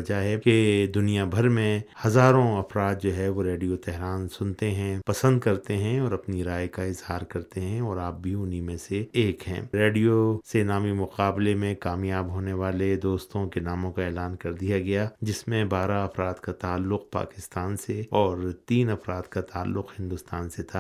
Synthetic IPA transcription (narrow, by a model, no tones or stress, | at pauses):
d͡ʒaɦɛked̪ʊnijabʱɐɾmẽhɐzaːɾõɐfɾaːt̪̚d͡ʒoːɦɛʋoɾeːɖijot̪ɛɦɾaːnsʊnt̪eɦɛ̃pɐsə̃nd̪̚kɐɾt̪eɦɛ̃ɔːɾɐpniɾaːjkaɪzhaːɾkɐɾt̪eɦɛ̃ɔːɾaːp̚bʱiʊnimẽseeːkɦɛ̰̃ːɾeːɖijosenaːmimʊqaːblemẽkaːmjaːbɦoːneʋaːled̪oːst̪õkenaːmõkaeːlaːnkɐɾd̪ijaɡɐjad͡ʒɪsmẽbaːɾaɐfɾaːd̪kat̪aːlːʊq̚pa̰ːkɪst̪aːnseɔːɾt̪iːnɐfɾaːt̪kat̪aːlːʊqɦɪ̃nd̪ʊst̪aːnset̪ʰa